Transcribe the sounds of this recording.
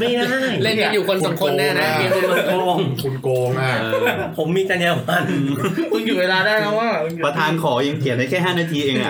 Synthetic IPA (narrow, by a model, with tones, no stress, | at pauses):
ma˥˩jna˥˩jle˥˩na˨˧˥juː˨˩kʰo˧nssa˨˦mkʰo˧nːɛ˦˥na˦˥e˧˩u˧nmaː˧koː˧ŋkʰu˧nkoː˧ŋa˧˩ | pʰo˩˦mːiː˧t͡ɕa˧njɛː˧wa˧˩nː˧kʰɯ˥˧˩ŋjuː˨˩weː˧laː˧daː˥˩jna˦˥waː˥˩˧pɾa˧t̪ʰaː˧nkʰɔː˩˦ʔeː˧ŋpʰət̪̚a˦˥˩kʰɛː˥˩ɦaː˥˩naː˧t̪ʰiː˧ʔeː˧ŋʔa̰˨˩